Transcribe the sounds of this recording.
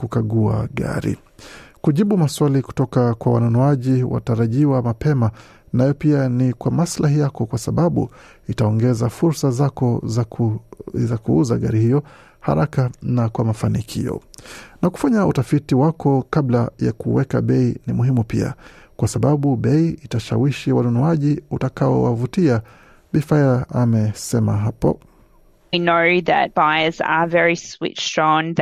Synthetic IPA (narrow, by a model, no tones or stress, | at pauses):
kukaɠua̰ɠa̰ɾḭ | kuʄiɓumaswaliku̥tɔkakwawa̰nɔnɔaʄiwa̰taɾaʄiwamapɛma | najɔpianikwamaslahijakɔkwasaɓaɓṵ | itaɔŋɡɛzafuɾsazakɔ | zakuuzaɠaɾihijɔ | ha̰ɾakanakwamafanikʰḭjɔ̰naku̥faɲautafitiwakɔkablaja̰kuwɛka̰ɓɛinimuhimupḭa̰kwasaɓaɓuɓɛiitaʃa̰wiʃiwanɔnɔaʄiutakaɔwa̰vutia | ɓifaiɾaʔamɛsɛmaɦapɔ̰ | inoʊðɨ̰t̚b̥aɪəzə̰vɛɹiswḭtstɹ̥ɔ̃nð